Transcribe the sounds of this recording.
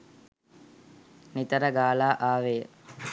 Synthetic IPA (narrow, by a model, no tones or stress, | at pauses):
nit̪əɾəɡaːlaːʔaːʋeːə